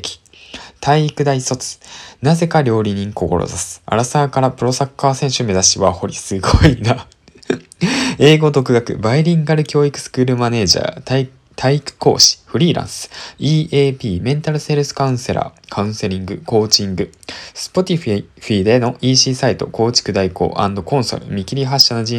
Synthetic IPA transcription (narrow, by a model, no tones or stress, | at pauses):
kʲi̥ | t̪ʰaiːkɯ̟d̪aiso̞t͡sɨ̥naze̞kaɾʲo̞ːɾʲiɲ̟ĩŋko̞ko̞̰ɾo̰zasɨ̥a̰ɾasaːkaɾapɯ̟ɾo̞sakːaːsẽ̞ɰ̃ɕɨme̞zaɕiβa̰ho̞ɾʲisɨɡo̞ina | e̞ːɡo̞d̪o̞kɯ̟ɡakɯ̟̰baiɾʲĩŋɡaɾɯ̟kʲo̞ːikɯ̟̥sɨ̥kɯ̟ːɾɯ̟mane̞ːʑa̰ːt̪a | t̪ʰaikɯ̟̥ko̞̰ːɕi̥ɸɯ̟ɾʲiːɾã̰ɰ̃sɨ̥iːʔeːpʲiːmẽ̞nt̪aɾɯ̟se̞ɾɯsɨ̥kaɯ̟̃ɰ̃se̞ɾʔa̰ːkʰaɯ̃se̞ɾʲĩŋɡɯ̟ko̞ːt͡ɕĩŋɡɯ̟sɨ̥po̞t̪ʲiɸɸiːd̪e̞no̞ʔiːɕiːsait̪o̞̰ko̞ːt͡ɕi̥kɯ̟d̪aiko̞̰ːʔã̰nd̪o̞kõ̞ɰ̃so̞̰ɾɯ̟̰mʲikʲiɾʲiɦaɕːanoʑĩ